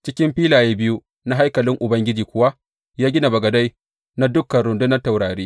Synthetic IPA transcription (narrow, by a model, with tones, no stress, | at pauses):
t͡ʃɪ˦kʲɪ˦mɸiː˦laː˨jeː˦bɪ˦ju˦ | na˦ɦa˦jkɐ˨lɪ˦ŋʔʊ˨bɐ˦ŋɡʲɪ˦d͡ʒiː˨kʷʊ˦wa˦ | jaː˦ɡʲɪ˦na˨bɐ˨ɡɐ˨da˦j | na˦dʊ˦kːɐ˨ɽʊ˨ndʊ˦nɐ˦ta˨wɽaː˨ɾiː˦